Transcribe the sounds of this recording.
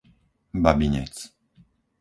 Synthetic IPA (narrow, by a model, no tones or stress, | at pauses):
babiɲɛ̰t͡s